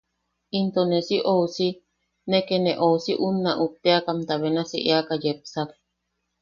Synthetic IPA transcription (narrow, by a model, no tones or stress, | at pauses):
int̪onesiʔousi | nekenẽʔousiʔunːaʔup̚t̪eakamt̪aβenasḭʔeakajep̚sak